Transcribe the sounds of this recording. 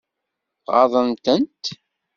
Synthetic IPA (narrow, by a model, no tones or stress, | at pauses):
ʁɑ̰ðˤənt̪ənt̪